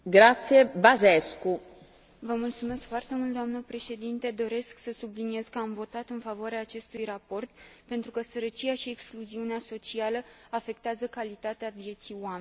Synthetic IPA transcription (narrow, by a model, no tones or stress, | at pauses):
ɡɾat̪sijebazesku | vəmult̪sume̞skfoart̪e̞mult̪d̪oamnəpɾe̞ʃe̞d̪int̪e̞d̪o̞ɾe̞sksəsublinie̞z̥kəamvo̞t̪at̪ɨnfavoaɾeaːt͡ʃe̞st̪ujrapo̞rt̪pe̞nt̪ɾukəsəɾət͡ʃijaʃiekskluziuneaso̞t͡ʃialəafe̞k̚t̪eazəkalit̪at̪eavje̞t̪sioamenʲ